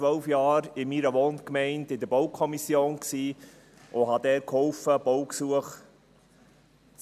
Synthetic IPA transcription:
ʋœlfjɑːɾɪmiːɾəʋoːnkmɛɪndɪd̪əɾboʊkʰɔmisjoːnksiː | ʔʊɦɑdɛːɾkʰhɔlfəb̥ɔʊksuəχ

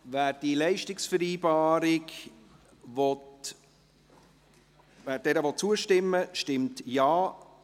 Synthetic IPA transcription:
væːɾd̥ilɛɪʃtɪksfəɾiːbɑːɾɪk | vɔt | væːɾd̥ɛːɾəvɔt̚t͡suəʃtɪmːəʃtɪmtjɑː

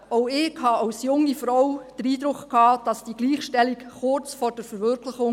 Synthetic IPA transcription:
ɔʊɪkhɑɑwsjʊŋːifɾɔwd̥əɾiːd̥ɾʊkkhɑːd̥ɑsd̥iːɡ̥liːχʃtɛlikχʊɾt͡sfɔɾd̥əɾfəɾʋʏɾkʰləχʊŋ

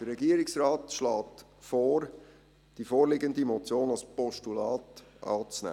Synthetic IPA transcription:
d̥əɾːɛɡiəɾɪksrɑːtʃlɑːtfɔːɾ | d̥ifoːɾlɪɡəndimɔt͡sjoːnɑlspɔʃtulɑːtʔɑ̰ːt͡snæ̰ː

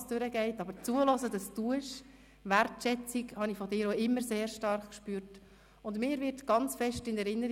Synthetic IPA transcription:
sd̥øɾəɡɛɪtɑbəɾt͡suəlɔzədɑsduʃ | ʋæɾtʃɛt͡sikhɑnifɔdɪːɾoɪmːəɾseːɾʃtɑɾχkʃpyːɾt | ʊndmɪːɾʋɪɾtɡ̥ɑnt͡sfɛʃtɪnɛɾɪnːəɾ

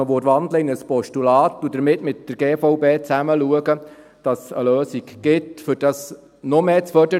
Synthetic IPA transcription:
əʋoɾʋɑndləɪnəspɔʃtulɑːtːudəɾmɪtmɪt̚d̥əɾɡeːfɔʊbeːt͡sæməluəɡə | d̥ɑsə̰løːsikɡ̥ɪtfʏɾd̥ɑs | nɔmeːt͡sfœdə

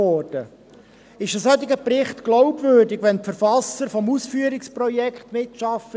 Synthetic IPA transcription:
ɔːrd̥ə | ɪʃəsœt̪ɪɡəprɪχt̪ɡ̥lɔʊbvøːɾdɪɡʋɛntfəɾfɑsəɾfɔmusfyːəɾɪksprɔjɛkχt̪mɪtʃɑfə

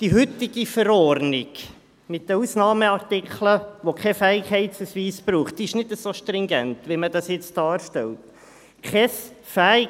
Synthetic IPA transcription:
d̥iɦʏtːɪɡ̥ifəɾɔrnɪɡ | mɪtd̥əusnɑːməɑrtɪkʰləʋokχɛfæːɪkhɛɪtsəsʋiːsb̥ɾuːχt̚d̥iɪʃnɪdəsoʃtrɪŋɡɛntʋiməd̥ɑsjɛt͡sd̥ɑːɾʃtɛlt | kʰɛs | fæːɪ

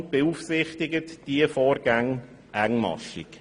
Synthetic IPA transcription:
nt̚b̥euːfsɪχtɪɡətd̥iəfoːɾɡ̥æŋ | ʔæŋmɑ̰ʃɪ̰k

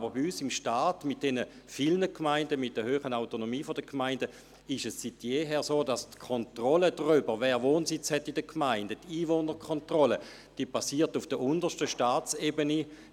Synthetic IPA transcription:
abəbiysɪmʃtaːtmɪt̚d̥ɛnə | filnəkʰmaɪndəmɪt̚d̥əɐhøːχənaʊtonomiːfodəkʰmaɪndə | ɪʃɛsːitjeːɦɛːʁsoːdastkʰɔntʁɔlədʁybəʁʋɛːʁʋoːnsɪt͡shɛtidəkʰmaɪndətiːvoːnəkʰɔntʁɔlə | d̥iːəpasiːɐtufd̥əʔʊndəʃtəʃtaːt͡sebəni

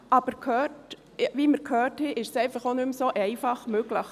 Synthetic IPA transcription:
ɑb̥əɾkʰhøːt | ʋiməɾkʰhøːthɛʔɪʃsɛɪfɑχonʏmsoːʔɛɪfɑχmøɡləχ

